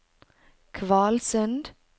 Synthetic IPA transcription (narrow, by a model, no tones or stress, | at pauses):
kʰvɑːlsənd